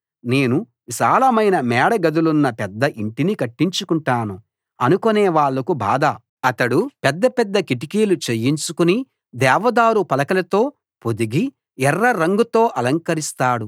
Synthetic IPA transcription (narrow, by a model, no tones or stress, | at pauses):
ne̞ːnu | ʋiʃaːlɐmɐjnɐmɛːɽɐɡɐd̪ulunːɐpɛd̪ːɐʔiɳʈinikɐʈːiɲt͡ʃukuɳʈaːnu | ɐnukoneːʋaːɭːɐkuba̰ːd̪ɐ | ɐt̪ɐɽupɛd̪ːɐpɛd̪ːɐkiʈ̬ikiːlut͡ʃejːiɲt͡ʃukuni | d̪ɛːʋɐd̪aːɾupɐlɐkɐlɐt̪o̞ː | pod̪iɡi | ɛrːɐɾɐŋɡut̪o̞ːʔɐlɐŋkɐɾist̪aːɽu